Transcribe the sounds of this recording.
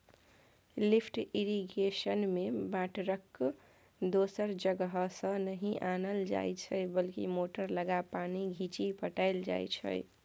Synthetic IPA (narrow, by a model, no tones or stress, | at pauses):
lipʰʈiɾiɡesənmebaʈɾəkː | d̪osəɾd͡ʒəɡəɦsə̃nəɦiʔanəld͡ʒa̰jt͡ʃʰəbəlkḭmoʈəɾləɡapaniɡʱit͡ʃipəʈəɪld͡ʒa̰jt͡ʃʰə̰j